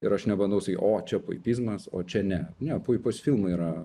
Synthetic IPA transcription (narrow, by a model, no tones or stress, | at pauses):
ɪɾɐʃnʲɛbɐnd̪ɐʊsɐkʲiʔoːt͡ʃʲɛpo̰ɪpʲiːzmɐso̰ːt͡ʃʲɛnʲɛnʲɛpoːjpoːsʲfʲilˠmɐiːɾɐ